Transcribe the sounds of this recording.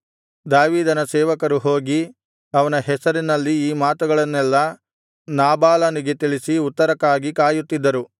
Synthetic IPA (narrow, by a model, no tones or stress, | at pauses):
d̪aːʋiːd̪ɐnɐsɛːʋɐkɐɾuɦo̞ːɡi | ɐʋɐnɐɦɛsɐɾinɐlːiiːmaːt̪uɡɐɭɐnːɛlːɐ | naːbaːlɐniɡet̪iɭisiut̪ːɐɾɐkaːɡikaːjut̪ːid̪ːɐɾu